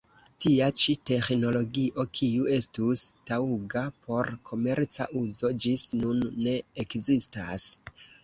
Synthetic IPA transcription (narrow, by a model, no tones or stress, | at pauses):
tiat͡ʃite̞xno̞lo̞ɡiʔo̞kʰiue̞stustauɡapʰo̞ɾkʰo̞me̞ɾt͡sa̰ʔuzo̞d͡ʒisnunːe̞ekzistas